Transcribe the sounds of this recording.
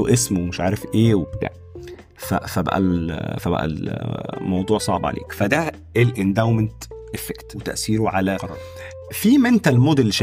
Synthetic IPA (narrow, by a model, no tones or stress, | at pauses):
oʔesmowmeʃʕaːɾefʔeːwebt̪æ̰ʕ | fæ̰fæbæ̰ʔæ̰lfæbæ̰ʔæ̰lmɑwd̪ˤuːʕsˤɑ̰ʕbʕa̰lʔḛːkfæd̪æ | elʔend̪awment̪ʔefekt̪wet̪æ̰ʔsiːɾoʕalæq | fiːmæent̪ælmoːd̪elːʃ